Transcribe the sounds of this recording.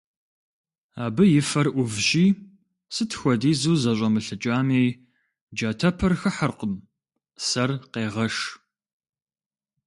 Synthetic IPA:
aːbɨjɪfɐrʔʷʊvʒiː | sɨtʰxʷɔdiːzuːzɐɕʷʼɐmɨɬɨt͡ʃʼaːmeːj | d͡ʒaːtʰɐpʰɐrxɨħɐrqəm | sɐrqeːʁɐʂ

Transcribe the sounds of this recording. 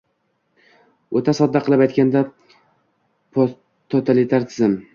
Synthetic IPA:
ot̪ʰasɒd̪ːaqʰɨlˠɪpajt̪̚ʲkʲand̪a | t̪ʰot̪ʰalɪt̪ʰaɾt̪ʰɪzɪm

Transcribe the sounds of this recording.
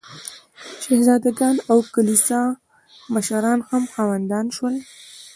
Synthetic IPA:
ʃahzɑd̪aɡɑnawkalisɑ | maʃaɾɑnhamxɑwand̪ɑnʃwəl

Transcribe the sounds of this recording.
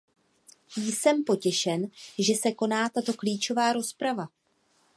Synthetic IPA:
jsɛmpo̞cɛʃɛnʒɛsɛko̞naːt̪at̪o̞kliːt͡ʃo̞vaːɾo̞spɾava

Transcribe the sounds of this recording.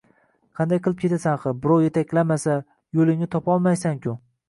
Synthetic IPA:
qʰɑnd̪ajqʰɨlˠɪp̚kʰʲe̞t̪ʰasanχɨbɪɾɒwje̞t̪ʰakʲʰlamasa | jolˠɪŋnɪt̪ʰɒpɒlˠmajsaŋkʲʰʊ

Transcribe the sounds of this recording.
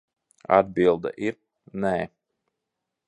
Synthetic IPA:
a̰d̪̚bilˠd̪a̰ʔiɾ | nɛː

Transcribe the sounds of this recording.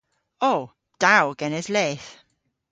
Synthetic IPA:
oː | d̥awɡ̥ɛnɪzlɛːθ

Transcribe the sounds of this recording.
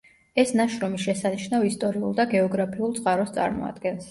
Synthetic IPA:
ɛsnaʃɾɔmiʃɛsaniʃnavist̪ʼɔɾiulˠd̪aɡɛɔɡɾapʰiulˠt̪sʼqʼaɾɔst̪sʼa̰ɾmɔ̰a̰d̪̥ɡɛns

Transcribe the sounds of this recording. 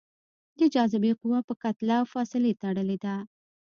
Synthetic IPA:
d̪əd͡ʒɑzɪbeqʊwapəkat̪lawfɑsɪlet̪aɽəled̪a

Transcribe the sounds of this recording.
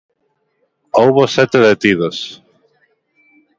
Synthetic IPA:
owβosɛt̪eðet̪iðos

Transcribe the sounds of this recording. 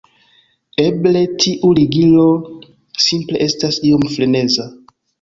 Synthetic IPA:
e̞ble̞tʰiʔuɾiɡilo̞ | simple̞̰ʔe̞stasio̞mflene̞za

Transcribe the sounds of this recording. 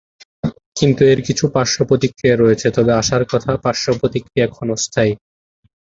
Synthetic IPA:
kint̪ueɾkit͡ɕʰupaɾʃopɾot̪ikːɾiaɾɔet͡ɕʰet̪ɔbeaʃaɾkɔt̪ʰapaɾʃopɾot̪ikːɾiaɛkʰɔnost̪ʰaj

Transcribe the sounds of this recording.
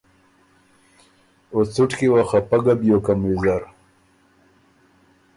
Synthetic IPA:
ot͡suʈkiwaxapaɡabjokamwizaɾ

